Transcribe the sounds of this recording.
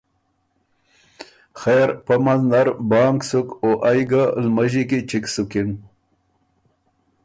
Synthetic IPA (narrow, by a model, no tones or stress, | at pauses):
xeːɾpamand̪aɾbɑːŋksukoʔajɡalmaʑikit͡ʃiksukin